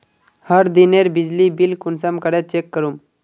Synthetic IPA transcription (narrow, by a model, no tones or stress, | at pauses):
həɾd̪ineɾbid͡ʑlibilkunsamkəɽet͡ɕekːəɾum